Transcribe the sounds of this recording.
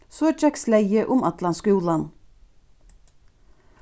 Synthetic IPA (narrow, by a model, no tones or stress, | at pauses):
soːet͡ʃɛkslæɪəʔʊmɑt̪lɑnskʉːlɑn